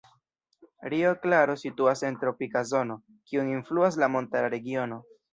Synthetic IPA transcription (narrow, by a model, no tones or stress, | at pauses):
ɾioklaɾo̞situase̞ntɾo̞pikazo̞no̞ | kiuninfluas̬lamo̞ntaɾaɾe̞ɡio̞no̞